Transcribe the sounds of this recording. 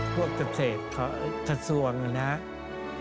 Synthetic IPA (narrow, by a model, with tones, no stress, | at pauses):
pʰu˥˩ək̚t͡ɕa˨˧˩p̚seː˨˩t̪̚kʰɔ˧˩t̪ʰa˧˩su˨˩əŋa˧˩na˦˥ʔ